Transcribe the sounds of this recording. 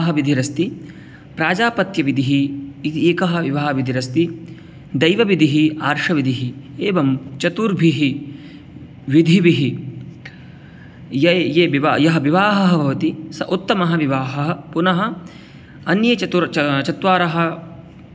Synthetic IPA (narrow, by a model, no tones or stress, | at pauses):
ɦɐʋid̪ʱiɾɐst̪i | pɾaːd͡ʒaːpɐt̪jɐʋid̪ʱiɦiːt̪ieːkɐɦɐ̆ʋiʋaːɦɐʋid̪ʱiɾɐst̪i | d̪ɐjʋɐʋid̪ʱiɦiaːɾʂɐʋid̪ʱiɦieːʋɐmt͡ʃɐt̪uːɾbʱiɦi | ʋid̪ʱiʋiɦi | jɐjeːbiʋajɐɦɐʋiʋaːɦɐɦɐbʱɐʋɐt̪isɐ̰ʔut̪ːɐmɐɦɐʋiʋaːɦɐɦɐpunɐɦɐ̆ | ɐnjɐt͡ʃɐt̪uɾt͡ʃɐt̪ʋaːɾɐɦɐ̆